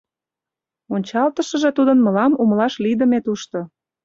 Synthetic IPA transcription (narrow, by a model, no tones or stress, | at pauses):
onʲt͡ɕɑlt̪əʃə̆ʒĕt̪ud̪ənməlɑmumlɑʃlid̪ə̆met̪uʃt̪o